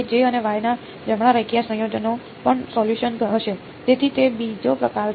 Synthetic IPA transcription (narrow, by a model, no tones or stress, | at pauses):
d͡ʒeəneʋajna | d͡ʒəmɽaɾəkjasə̃jod͡ʒəno | pəɳsɔljuʃənɡəɦəʃe | d͡ʒ̪et̪ʰit̪ebid͡ʒopəkal